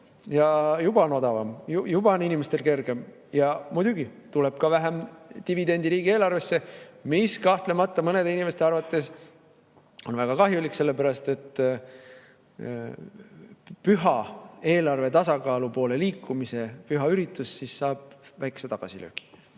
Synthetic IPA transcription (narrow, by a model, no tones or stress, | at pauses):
jɑjub̥ɑno̞d̪̥ɑvɑmjujub̥ɑninimest̪e̞lke̞rɡe̞m | jɑmud̪̥ʲuɡit̪ule̞b̥̚kɑvæɦemt̪ivid̪e̞nʲd̪̥iɾiːɡ̥ieːlɑrve̞sːe̞miskɑht̪le̞mɑt̪ˑːɑmɤne̞d̪einimest̪eɑɾvɑt̪ːˑe̞s | o̞nvæɡ̥ɑkɑɦjulikse̞lːe̞pæɾɑst̪e̞t̪ː | pyɦɑe̞ːlɑrve̞t̪ɑsɑkɑːlupo̞ːle̞liːkˑːumise̞pyɦɑyɾit̪ːˑusːisːɑːb̥̚væjke̥set̪ɑɡ̥ɑ̰silø̰ːki̥